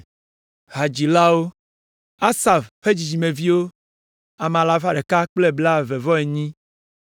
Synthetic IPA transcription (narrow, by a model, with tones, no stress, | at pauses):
ɦa˨d͡ʑi˨la˦wo˦ | a˦sa˨fɸe˦d͡ʑi˨d͡ʑi˨mẽ˨vi˦wo˦ | a˨m˨ã˨la˨fa˨ɖe˨ka˦k͡ple˦bla˦ve˨vɔ˦e˨ɲĩ˦